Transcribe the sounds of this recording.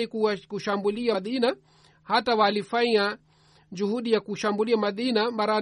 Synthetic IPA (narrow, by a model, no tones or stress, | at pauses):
ikuakuʃambuliaðina | hatawalifaɲa | d͡ʒuhuɗijakuʃambuliamaðinambaɾa